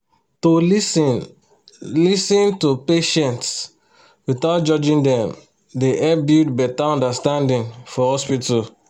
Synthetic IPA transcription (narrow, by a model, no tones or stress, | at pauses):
to | lisĩntopeʃɛ̃nts | wiθaʊt̚d͡ʒɔd͡ʒĩndɛ̃m | deʔɛbjudbɛtaɔ̃ndastãndĩnfɔhɔspital